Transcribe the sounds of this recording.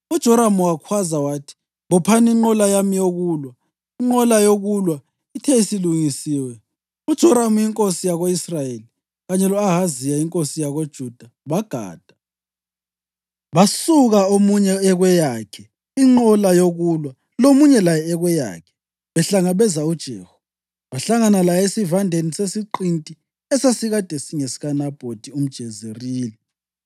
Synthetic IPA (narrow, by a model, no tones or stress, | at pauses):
ud̥ʒ̥ʱɔɾamuwakʰwazawaːtʰi̥ | βɔpʰaniŋ͡ǃɔlajamijoɣuːlwa | iŋ͡ǃɔlajoɣulwa | itʰɛisiluŋisiːwɛ | ud̥ʒ̥ʱɔɾamujiŋkʼosijaɣoisrajeli | ɣaɲɛlɔaɦazijaiŋkʼosijaɣod̥ʒ̥ʱud̥ʱa | βaɡ̥ʱa̰ːd̥ʱḁ | βasuɣaomuɲɛːɣwɛjakʰɛ | iŋ͡ǃɔlajoɣulwa | lomuɲɛlajɛːɣwɛja̰ːkʰɛ̥ | βɛɬaŋaβɛzaud̥ʒ̥ʱeːhɔ | βaɬaŋanalajesivandʱenisesiǃintʼi | ɛsesiɣad̥ʱesiŋesi̥ɣanab̥ʱod̥ʱium̩d̥ʒ̥ʱɛzeriːli